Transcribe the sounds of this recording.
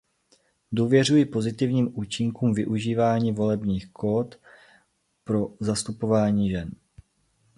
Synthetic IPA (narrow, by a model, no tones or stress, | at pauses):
duːvjɛr̝ujɪpo̞zɪt̪ɪvɲiːmʔuːt͡ʃɪŋkuːmvɪʔuʒiːvaːɲiːvo̞lɛbɲiːxkoːt̪ | pɾo̞zast̪upo̞vaːɲiːʒɛn